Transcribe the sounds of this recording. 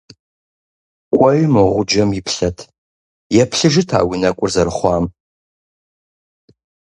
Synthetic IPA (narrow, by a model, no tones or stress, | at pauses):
kʷʼɔɥmɨʁʷʊd͡ʒɐmjɪpʰɬɐtʰ | jɛpʰɬɨʒɨtʰa̰ːwinɐkʷʼʊrzɐɾɨχʷɑːm